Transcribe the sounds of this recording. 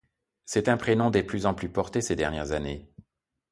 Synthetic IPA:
sɛt̪ɛ̃pχenɔ̃d̪eplyzɑ̃plypɔʁt̪esed̪ɛʁnjɛʁzane

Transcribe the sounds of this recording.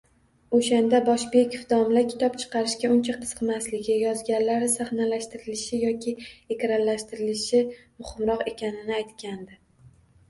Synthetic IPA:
oʃand̪abɒʃbekʲʰofd̪ɒmlakʲʰɪ̥t̪ʰɒpt͡ʃʰɨ̥qʰɑɾɪʃkʲaʊnt͡ʃʰaqʰɨ̥sqʰmaslɪɡʲɪjɒzɡʲanlːaɾɪsaχnalaʃt̪ɪɾɪlɪʃɪjɒkʲʰɪekʲɾanlaʃt̪ɪɾɪlɪʃɪmʊχɨmɾɒqe̞kʲʰanɪnɪajt̪kʲand̪ɪ

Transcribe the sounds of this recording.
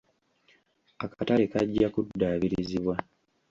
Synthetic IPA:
akataɾekaɟːakudːaβiɾiiziβwa

